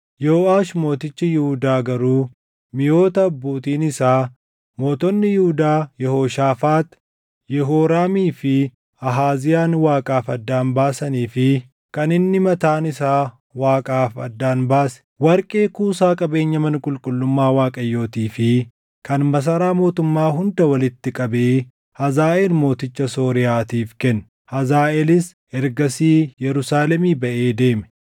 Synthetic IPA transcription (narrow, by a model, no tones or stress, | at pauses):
joːaːʃmo̞ːt̪ɪt͡ʃːɪjɪhʊd̪aːɡɐɾuː | mɪjo̞ːt̪ɐbːuːt̪iːnɪsaː | mo̞ːt̪ɔnːɪjɪhʊd̪aːjɛhoːʃaːfaːt̪ | jɛɦoːɾaːmiːfɪ | ɐɦaːzɪjaːnwaːkʼaːfɐd̪ːaːnbaːsɐniːfɪ | kɐnɪnːɪmɐt̪aːnɪsaː | waːkʼaːfɐd̪ːaːnbaːsɛ̥wɐɾkʼeːkuːsaːkʼɐbe̞ːɲːɐmɐnkʼʊlkʼʊlːʊmːaːwaːkʼɐjːo̞ːt̪iːfɪ | kɐnmɐs̬ɐɾaːmo̞ːt̪ʊmːaːɦʊnd̪ɐwɐlɪt̪ːɪkʼɐbeː | hɐzaːʔelmo̞ːt̪ɪt͡ʃːɐso̞ːɾɪjaːt̪iːfkɛnː | hɐzaːʔelɪs | ɛɾɡɐsiːjɛɾʊsaːlɛmiːbɐʔe̞ːd̪e̞ːmɛ̥